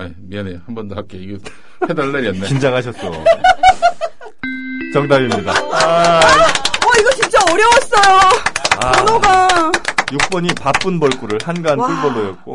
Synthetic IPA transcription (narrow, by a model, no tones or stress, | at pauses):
aimiʌnehanbʌndohak͈̚eiɡe | hedʌɭːeɾiʌnːet͡ɕind͡ʑaŋɦaɕʰʌs͈ʌ | t͡ɕʌŋdaɡimɲida̰ | ʌiɡʌt͡ɕint͡ɕ͈aʌɾjʌwʌs͈ʌjoaonoɡa | juk̚p͈ʌɲipap͈ɯnbʌɭk͈uɾɯɭhanɡank͈ɯɭbʌlːojʌt̚k͈o